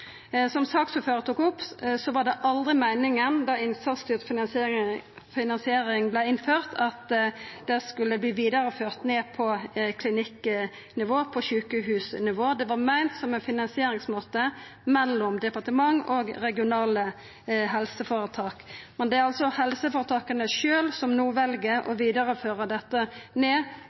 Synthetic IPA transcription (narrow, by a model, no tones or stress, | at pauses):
sɔmsɑːksʉføːɾət̪ʰuːkɔpːsɔʋɑʁɖ̪ɛʔɑld̪ɾʁɪmæɪnɪŋənd̪ɑɪnsɑst̪yːtf | fɪnɑnsɪeːɾɪŋblæɪɪnføːʁt̪ʰɑt̪d̪ɛskʉlːəbliːʋiːd̪ɑʁəføːʁt̪neːpʰɔkʰlɪnɪk | nɪʋoːpʰɔçʉːkəɦʉːsnɪʋoːd̪ɛʋɑʁmæɪnt̪sɔmɛnfɪnɑnsɪeːɾɪŋsmoːt̪ːə | mɛlːɔmd̪ɛpɑʁt̪əmɑŋɔɡɾɛɡɪʊnɑːlə | ɦɛlsəfoːɾət̪ʰɑːkmɛnd̪ɛæɾɑlsɔhɛlsəfoːɾət̪ʰɑːkənəʃøːlsɔmnuːʋɛlɡəʔɔ̰ʋiːd̪əɾəføːɾəd̪ɛt̪ːəneː